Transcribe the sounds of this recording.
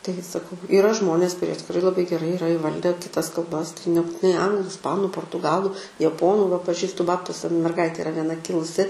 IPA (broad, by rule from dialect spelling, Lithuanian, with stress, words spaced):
ˈtɐɪɡʲɪ sɐˈkɐʊ iːˈrɐ ˈʒmoːnʲeːs kʊˈrʲiɛ tʲɪkrɐɪ lˠɐbɐɪ ɡʲɛˈrɐɪ iːˈrɐ ɪˈʋɐlʲdʲɛ kʲɪˈtɐs kɐlˠˈbɐs tɐɪ nʲɛp nʲɛbʊtʲɪˈnɐɪ ˈɐŋɡlˠʊ ɪsˈpɑːnʊ poːrtʊˈɡɑːlˠʊ jɛˈpoːnuː ʋɐ pɐˈʒʲiːstʊ ˈbɑːptʊsʲɛ mʲɛrˈɡɐɪtʲeː ɪˈrɐ ʋʲiɛˈnɐ ˈkʲɪlˠʊsʲɪ